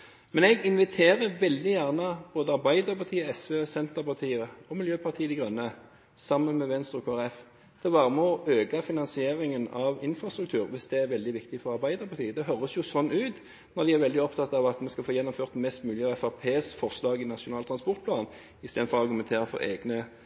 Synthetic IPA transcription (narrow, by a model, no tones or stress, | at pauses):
mɛnɛɡɪnʋɪt̪ʰeːʁəʋɛld̪ɪjæʁnəboːd̪əɑʁbæɪd̪əɾpɑt̪ʰiːəɛsʋeːsɛnt̪əʁpɑʁt̪ʰiːəɔmɪljøːpʰɑʁt̪ʰiːəd̪ɪɡʁœnːə | sɑmənmɛʋɛnst̪ɾʊkʰoːæɾɛf | d̪̥ɛbɑːʁəmɔøːɡɑfɪnɑnsɪeːɾɪŋənɑʋɪnfɾɑst̪ɾʉk̚t̪ʰʉːɾʋɪsd̪ɛæɾʋɛld̪ɪʋɪkt̪ɪfɔɾɑʁbæɪd̪əʁpʰɑʁt̪ʰiːəd̪ɛɦœɾəsjʊsɔnːʉːt̪ | nɔʁd̪ɪæɾʋɛld̪ɪɔpt̪ɑt̪ːɑʋɑt̪mɛskɑlfoːjɛnːɔmføːʁt̪mɛst̪mʉːlɪəɛfæʁpʰeːsfɔʁʂlɑːɡɪnɑʃʊnɑːlt̪ʰɾɑnspɔʁt̪̚pʰlɑːn | ɪst̪eːd̪fɔʁɑʁɡʉmɛnt̪ʰeːɾɪfɔ̰ɾḛːɡnə